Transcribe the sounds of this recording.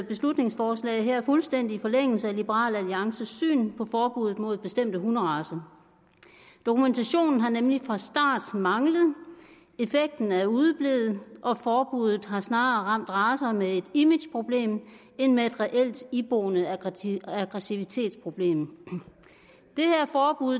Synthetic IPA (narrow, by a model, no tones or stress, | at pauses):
b̥e̝slud̥ne̝ŋsfɒːslɛ̰ɪðˠɦæɐ̰æɐfulsd̥en̰d̥ifɒ̽leŋ̰l̩səælib̥əʁɑ̰̈ːlæliɑ̈ŋsəsy̰ːnpʰɒ̽fɒːb̥uð̩ˠmo̝ð̰ˠb̥e̝sd̥em̰d̥əɦunəʁɑ̈ːsɐ | d̥o̝kument͡sʰæɕo̝̰ːnn̩ɦɑ̈nemlifʁɑ̈sd̥ɑ̰̈ːd̥mɑ̈ŋləð̩ˠ | e̝feɡ̥̚d̥n̩æɐuðˠb̥le̝ːð̩ˠʔɒ̽fɒːb̥uðˠð̩ˠɦɑ̈snɑ̈ːʁɑ̈m̰d̥ʁɑ̈ːsɐmee̝d̥imid̥jpʰʁo̝b̥le̝̰ːm | e̝nmee̝d̥ʁɛʔel̰d̥ib̥oːnə | æɡ̥ʁɛsiʋit͡sʰe̝̰ːd̥spʰʁo̝b̥le̝̰ːm | d̥e̝hæɐfɒːb̥uðˠ